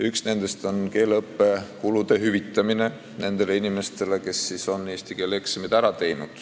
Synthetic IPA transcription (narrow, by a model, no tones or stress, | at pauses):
yksne̞nd̪e̞st̪o̞nke̞ːlɤpːe̞kulud̪̥e̞ɦyvit̪ːˑɑmine̞ | ne̞nd̪̥e̞le̞inime̞st̪e̞le̞ke̞sːiːso̞nːeːst̪ike̞leksemid̪æɾɑt̪e̞jnud̪̥